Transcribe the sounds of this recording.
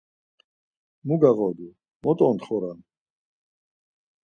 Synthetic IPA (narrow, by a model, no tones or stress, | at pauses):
muɡaɣɔd̪u | mɔt̪ʼɔnt̪χɔɾan